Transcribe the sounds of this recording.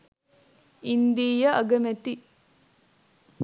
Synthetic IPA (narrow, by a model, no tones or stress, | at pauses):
ind̪iːjɐʔɐɡɐmet̪i